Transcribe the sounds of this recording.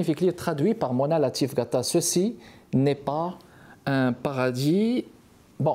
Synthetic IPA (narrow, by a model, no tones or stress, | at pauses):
ifiklit̪χad̪ɥipaʁmɔnalat̪ifɡat̪asəsinɛpa | ɛ̃paʁad̪i | bɔ̃